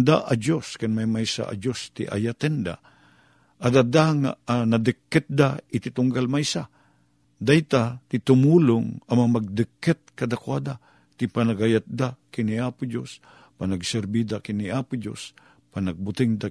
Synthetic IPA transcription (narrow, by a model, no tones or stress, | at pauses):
d̪aʔad͡ʒjoskɪnmajmajsa̰ʔa̰d͡ʒost̪ɪ̰ʔa̰jat̪ɪnd̪a̰ | ʔad̪ad̪aŋa̰anad̪ɨkːɛt̪̚d̪aɪt̪ɪt̪ʊŋɡalmajsa | d̪ajt̪at̪ɪt̪ʊmuːlʊŋɐmaamaɡ̚d̪ɨkːɛt̪̚kad̪akwad̪a | t̪ɪpanaɡajat̪̚d̪akɪniaːpʊd͡ʒo̰s | panaɡsɛɾbid̪akɪniaːpʊd͡ʒjo̰s | panaɡ̚bʊt̪ɪŋd̪a